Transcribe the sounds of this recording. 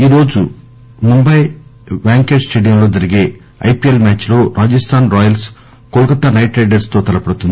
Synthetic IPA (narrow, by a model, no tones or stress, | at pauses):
iːɾo̞ːd͡ʒu | mumbɐjbaːŋke̞ːsʈe̞ːɖijɐmlo̞ːd͡ʒɐɾiɡeː | ɐ̰jpielmʲaːt͡ʃːlo̞ːɾʔaːd͡ʒɐst̪ʰaːnɾɔːjɐls | kolukɐt̪ːɐnɐjʈeːɖɐɾst̪o̞ːt̪ɐlɐpɐɽut̪und̪i